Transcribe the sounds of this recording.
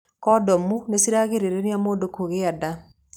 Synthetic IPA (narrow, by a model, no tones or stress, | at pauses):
kɔdɔmunesiɾaːɣeɾeɾeɾeamoːndokoɣeada